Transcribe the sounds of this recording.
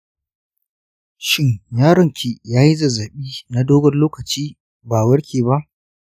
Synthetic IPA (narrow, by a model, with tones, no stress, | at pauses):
ʃɪ˦ɲjaː˦ɽɐ˨ŋkʲi˨jaː˦ji˦zɐ˨zɐ˨ɓiː˦na˦doː˦ɡɔ˦nloː˦kɐ˨t͡ʃiː˦ | baː˨wɐ˦ɽkʲeː˨ba˦ʔ